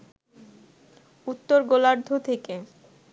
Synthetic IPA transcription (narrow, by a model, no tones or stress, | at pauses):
ut̪ːoɾɡolaɾd̪ʱot̪ʰeke